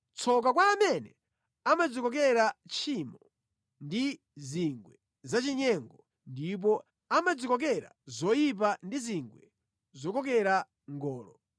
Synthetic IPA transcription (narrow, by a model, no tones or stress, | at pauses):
t͡sʰɔk̬akwaːmɛnɛ | amad͡zikɔk̬ɛɾat͡ʃʰimɔ | ndi | ziŋɡwɛ | zat͡ʃiɲɛŋɡɔ | ndip̬ɔ | amad͡zikɔk̬ɛɾa̰zɔjip̬andiziŋɡwɛ | zɔkɔk̬ɛɾa | ŋɡɔːlɔ